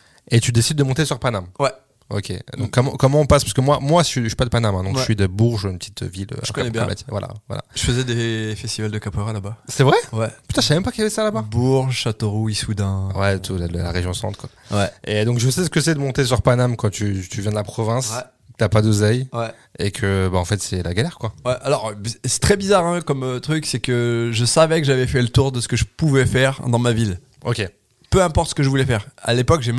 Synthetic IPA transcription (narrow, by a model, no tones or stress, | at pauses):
et̪yd̪esid̪̚ːəmɔ̃t̪esyʁpanamwɛ | o̰kʲʰḛd̪ɔ̃kːɔmɑ̰̃kːɔmɑ̃ɔ̃paspaʁsəkəmwamwaʃɥii̥pad̪əpanamɛ̃d̪ɔ̃kʃɥid̪əbuʁʒynpət̪it̪ʰø̰vilø̰knɛbj̃ma̰t̪ivwa̰lʔa̰vwa̰la̰ʒəfəzɛd̪efɛst̪ivald̪əkapoʁalabasɛvʁɛwɛpyt̪ɑ̃əsaɛmɛmpakijavɛsalababuʁʒʃat̪oʁuisud̪ɛ̃wɛt̪ʰudəla̰ʁeʒjɔ̃sɑ̰̃t̪kwawɛed̪ɔ̃kʒəsɛs̬ə̥kəsɛd̪əmɔ̃t̪es̬yʁpanamkɑ̃t̪yt̪yvjɛ̃d̪əlapχɔvɛ̃sɛ | kət̪yapad̪ozɛjwɛ | ekʰəbaɑ̃fɛt̪sɛlaɡalɛʁkwawɛʔalɔʁsɛ̥t̪χɛbizaʁɛ̃kɔmøt̪χyksɛkəʒəsavɛkəʒavɛfɛlət̪uʁd̪əsə̥kəʒəpuvɛfɛʁd̪ɑ̃mavil | okʲe | pøɛ̃pɔʁt̪sə̥kəʒəvulɛfɛʁa̰lepɔkʒem